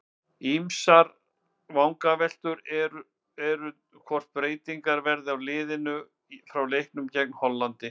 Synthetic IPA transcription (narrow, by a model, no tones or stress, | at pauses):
imsaɾ | vawŋkavɛl̥t̪ʏɾɛɾ | ɛɾʏ | kʰvɔr̥t̪̚pɾeːjt̪iŋkaɾvɛɾðɪawlɪːðɪnʏ | fɾawlejhknʏmcɛk̚nhɔlːant̪ɪ